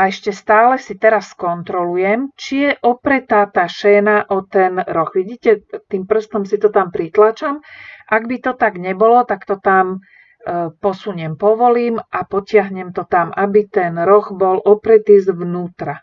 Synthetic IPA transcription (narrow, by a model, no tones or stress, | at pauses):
aɛʃcɛst̪aːlɛsit̪ɛɾasːkɔnt̪ɾɔlujɛmt͡ʃijɛʔɔpɾɛt̪aːt̪aːʃɛːnaʔɔt̪ɛnɾɔxʋiɟiːcɛt̪iːmpr̩st̪ɔmsit̪ɔt̪ampɾit̪lat͡ʃamʔaɡbit̪ɔt̪aɡɲɛbɔlɔt̪akt̪ɔt̪am | pɔsuɲɛmpɔʋɔliːmʔapɔcɪaɦɲɛmt̪ɔt̪amʔabit̪ɛnɾɔɣbɔlʔɔpɾɛt̪iːzʋnuːt̪ɾa